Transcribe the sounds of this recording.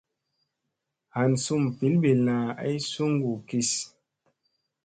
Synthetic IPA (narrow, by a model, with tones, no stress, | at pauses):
ha˨nsu˦˨m˨pi˨˦lbe˨la˨a˦i˦su˦ŋɡu˨ki˦s